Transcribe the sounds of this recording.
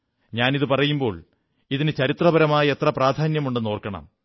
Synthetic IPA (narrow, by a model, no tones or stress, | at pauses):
ɲaːniðɨpɐrɐjumbo̞ːɭ | iðinɨt͡ɕɐɾit̪rɐbɐɾɐmaːjɐe̞t̪rɐpraːd̪ʱaːnjɐmuɳɖɨno̞ːrkːɐɳɐ̰m